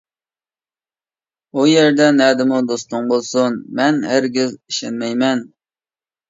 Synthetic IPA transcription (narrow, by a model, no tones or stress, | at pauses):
ujeɾd̪ɛnɛːd̪ɪmud̪ost̪ʊŋbolˠsunmɛnhæɾɡʲiziʃɛnmɛjmɛn